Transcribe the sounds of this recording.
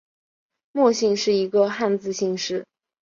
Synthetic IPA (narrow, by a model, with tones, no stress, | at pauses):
mwɔ˥˧ɕi˥˧ŋʂɻ̩˥˩i˧˥ɡə˧xa˥˧nt͡sɹ̩˥˧ɕi˥˧ŋʂɻ̩˥˩